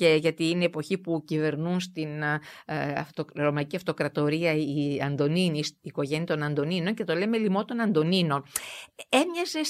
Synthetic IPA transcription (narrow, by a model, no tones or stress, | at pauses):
ce̞ʝɐt̪iine̞ːpo̞çipucive̞ɾnunst̪in | ɐ̰ft̪oɾo̞mɐiciɐft̪o̞kɾɐt̪o̞ɾiɐiɐnd̪o̞ninisiːko̞ʝe̞niɐt̪o̞nɐnd̪o̞nino̞ɲce̞t̪o̞le̞melimo̞t̪o̞nɐnd̪o̞nino̞n | emɲɐses